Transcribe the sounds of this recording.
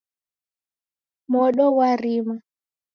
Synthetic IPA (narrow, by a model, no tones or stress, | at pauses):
mɔɗɔwaɾima